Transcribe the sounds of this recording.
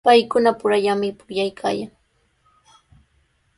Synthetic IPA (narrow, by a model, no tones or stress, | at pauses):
pajkʊnapʊɾaʎamɪpʊʎajkʰa̰ːjaŋ